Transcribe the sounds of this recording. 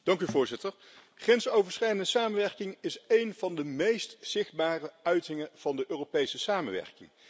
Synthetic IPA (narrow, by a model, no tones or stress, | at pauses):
d̥ɑŋkyvʊːɹzɪtəɹ | χɛnsowvəɹsχɛjdəndəsaːmənʋɛɹkɪŋɪsejnv̥ɑndəmejstsɪχd̚baːrəœɥtɪŋəv̥ɑndəʔøːropejsəsaːməʋɛ̰ɹkɪ̰ŋ